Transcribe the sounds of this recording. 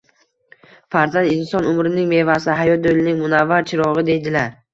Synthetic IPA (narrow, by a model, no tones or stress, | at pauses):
faɾzand̪insɒnʊmɾɪnɪŋme̞vasɪɦajɒt̪jolɪnɪŋmʊnavːaɾt͡ʃʰɪɾɒʁɨd̪e̞jd̪ɪlaɾ